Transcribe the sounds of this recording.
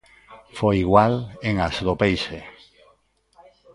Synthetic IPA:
fojiɣwaleŋasðopejʃe

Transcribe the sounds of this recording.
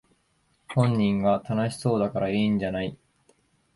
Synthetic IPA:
hõ̞ɲ̟ːĩŋɡat̪anaɕi̥so̞ːd̪akaɾaiːɲd͡ʑanai

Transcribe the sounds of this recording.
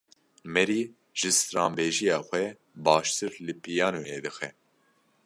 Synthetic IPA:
mɛɾiː | ʒ̥ɨst̪ɾɑ̰ːmbeːʒijɑːxʷɛ | bɑːʃt̪ʰɨɾlɨpijɑːnujeːd̪ɨxɛ

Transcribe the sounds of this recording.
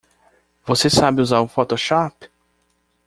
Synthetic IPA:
vosesabɪuzaɾũfɔt̪oʃɔpɪ̥

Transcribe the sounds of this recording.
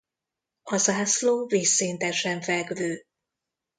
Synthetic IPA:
ɒzaːsloːveːsːeːnt̪ɛʃɛɱfɛɡvøː

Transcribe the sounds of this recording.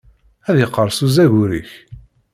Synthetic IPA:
æðjəqːəɾˤsuzæʝʊɾḭç

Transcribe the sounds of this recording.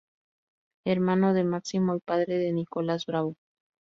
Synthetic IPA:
eɾmanoðemaksimoipaðɾeðe̞nikolazbɾaβo

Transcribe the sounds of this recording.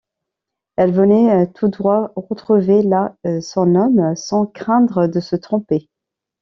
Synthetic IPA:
ɛlvənɛt̪ʰud̪ʁwaʁət̪χuvelasɔ̃nɔmsɑ̃kχɛ̃d̪ʁəd̪əsət̪χɔ̃pe

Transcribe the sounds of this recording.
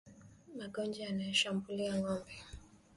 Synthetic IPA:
maɡɔnd͡ʒajanajɔʃambuliaŋɔmbɛ

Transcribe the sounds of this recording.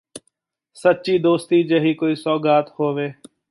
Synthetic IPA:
sət͡ʃiːd̪oːst̪iːd͡ʒəɦiːkoːiːsɔːɡaːt̪hoːʋeː

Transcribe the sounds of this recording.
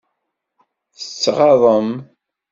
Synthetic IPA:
θə̥t͡sːʁɑðˤəm

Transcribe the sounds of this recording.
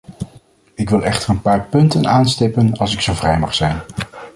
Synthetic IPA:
ɪkʋɪlˠɛχtərənpaːɹpɵntənaːnstɪpənɑlˠsɪksowvrɛjmɑχsɛjn

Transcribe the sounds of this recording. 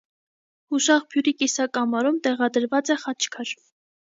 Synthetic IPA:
huʃɑʁbʰjuɾikisɑkɑmɑɾumt̪ɛʁɑd̪əɾvɑt͡sɛχɑt͡ʃʰkʰɑɾ

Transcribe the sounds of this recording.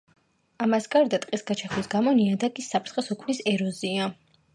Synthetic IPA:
amasɡaɾd̪at̪ʼqʼisɡat͡ʃʰaχwisɡamɔniad̪akʼisːapʰɾtsχʼɛsɔkʰmnisɛɾɔzia

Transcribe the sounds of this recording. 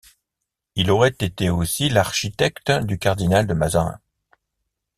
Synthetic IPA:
ilɔʁɛt̪et̪eosilaʁʃit̪ɛkt̪d̪ykaʁd̪inald̪əmazaʁɛ̰̃

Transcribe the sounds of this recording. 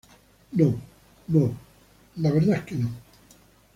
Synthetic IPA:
nõ | no | laβeɾðakːenõ

